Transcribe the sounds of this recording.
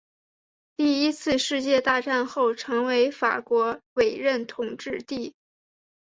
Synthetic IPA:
t̪i˥˩i˥t͡sʰɹ̩˥˧ʂɻ̩˥˧t͡ɕjɛ˥˧t̪a˥˧ʈ͡ʂa˥˧nxo˥˩ʊʈ͡ʂʰɤ˧˥ŋwe˧˥ɪfa̰˨˩kwɔ˧˥we˨˩ɪɻə˥˩nt̪ʰʊ˨˩ŋʈ͡ʂɻ̩˥˧t̪i˥˩

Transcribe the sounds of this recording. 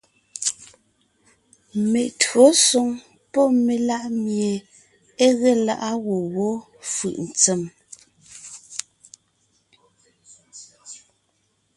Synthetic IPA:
me˨ʔtwɰo˨˦so˨ŋ | pɔ˦me˨la˦ʔmje˨ | e˦ɣe˦la̰˦˨ʔa˦ɣo˨ɣo˨˦ | fɯ̰˨ʔn̩˨t͡se˨m

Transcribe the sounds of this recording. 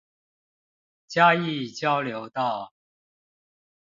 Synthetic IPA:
t͡ɕja˥i˥˨t͡ɕjɑ˥ʊljo˧˥ʊt̪ɑ˥˩ʊ

